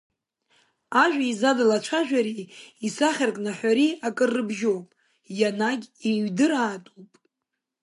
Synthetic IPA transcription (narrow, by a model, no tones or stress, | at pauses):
aʒᶣaizadalat͡ʃʷʰaʒᶣʷaɾiisaχʲarkʼnaħʷaɾiakʼɨrːɨbʒowpʼ | janaɡʲeɥdɨɾaːtʼupʼ